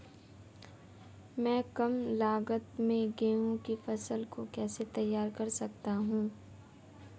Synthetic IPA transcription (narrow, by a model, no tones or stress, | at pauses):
mɛ̃ːkɐmlaːɡət̪mẽɡẽːõkifɐsəlkokɛːset̪ɐjːaːɾkɐɾsɐkt̪aɦũː